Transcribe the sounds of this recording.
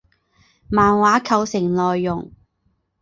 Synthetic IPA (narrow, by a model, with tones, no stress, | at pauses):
maː˨˩nwaː˨˥kʰɐ˧wsɪ˨˩ŋlɔː˨jːʊ˨˩ŋ